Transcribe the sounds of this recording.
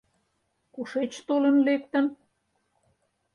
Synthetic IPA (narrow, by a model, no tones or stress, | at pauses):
kuʃet͡ɕt̪olə̆nlek̚t̪ə̆n